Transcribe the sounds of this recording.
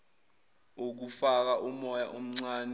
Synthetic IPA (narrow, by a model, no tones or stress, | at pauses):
ok̬ufak̬aʔumɔjaʔom̩ŋ͡ǀaːnɛ